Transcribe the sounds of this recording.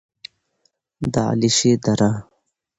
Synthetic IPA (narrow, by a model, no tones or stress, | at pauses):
d̪a̰ːliɕed̪ɐɾa